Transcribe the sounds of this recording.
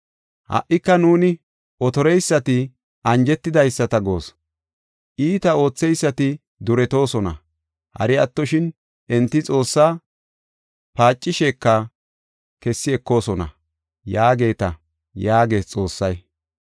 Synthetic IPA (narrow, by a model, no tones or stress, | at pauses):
hɐ̰ʔɪkːɐnuːnɪ | ɔt̪ɔɾɛjsːɐt̪ɪ | ʔɐnd͡ʒɛt̪ːɪd̪ɐjsːɐt̪ɐɡo̞ːs | ʔiːt̪ɐo̞ːt͡sːɛjsːɐt̪ɪ | d̪ʊɾɛt̪o̞ːsɔnɐ̰ | hɐ̰ɾɪɐt̪ːɔʃɪn | ɛnt̪ːɪt͡sʼo̞ːsːaː | paːt͡ʃʼːɪʃeːkːɐ | kɛsːɪɛkːo̞ːsɔnɐ̰ | jaːɡe̞ːt̪ɐ | jaːɡe̞ːst͡sʼo̞ːsːɐj